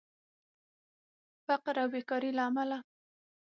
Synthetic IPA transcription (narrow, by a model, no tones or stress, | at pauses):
faqɾawːekɑɾilaːmala